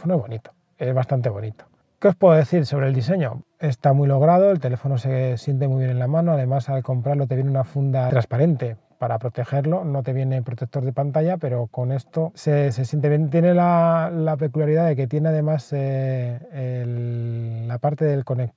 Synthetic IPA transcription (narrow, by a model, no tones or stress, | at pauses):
fonoezβo̞nit̪o̥ | ezβast̪ant̪e̞β̞o̞nit̪o̥ | keo̞spwe̞ðoðeθiɾso̞βɾe̞ld̪is̬e̞ɲo̞̰ | e̞st̪amwilo̞ɣ̞ɾað̞o̞elt̪e̞le̞fo̞no̞se̞sje̞nt̪̬e̞mwuiβje̞nenlamãnoaðe̞masalko̞mpɾaɾlo̞t̪eβje̞neunafund̪at̪ɾaspaɾe̞nt̪e̞ | paɾapɾo̞t̪e̞xe̞ɾlo̞no̞t̪e̞βje̞ne̞pɾo̞t̪ek̚t̪o̞ɾðe̞pant̪aʝape̞ɾo̞ko̞ne̞st̪o̞ses̬e̞sjent̪eβje̞nt̪jene̞lalape̞kuljaɾiðaðe̞k̬e̞t̪je̞neaðe̞mase | apaɾt̪e̞ðe̞lko̞nek̚